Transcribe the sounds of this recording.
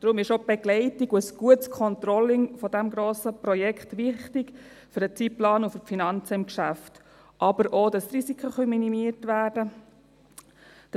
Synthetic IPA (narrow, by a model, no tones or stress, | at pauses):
d̥ɾʊmɪʃob̥ɛɡlɛɪtɪɡuəsɡ̥uətskʰɔnt̪ɾɔlɪŋfɔdæmɡɾoːsəprɔjɛkχtʋɪχtɪk | fyɾət͡siplɑːnuffinɑnt͡səɪmkʃæft | ʔɑbəɾʔoːdɑsɾisikχəχœminimiətʋæːɾdə